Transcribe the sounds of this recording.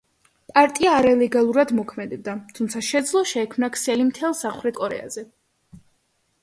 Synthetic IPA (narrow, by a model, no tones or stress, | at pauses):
pʼaɾt̪ʼiaːɾalɛɡalˠuɾad̪mɔkʰmɛd̪ɛb̚d̪at̪ʰumt̪sʰaʃɛd̪zlˠɔʃɛːkʰmnakʰsɛlimt̪ʰɛlˠsaχɾɛt̪̚ʰkʼɔɾɛ̰a̰zɛ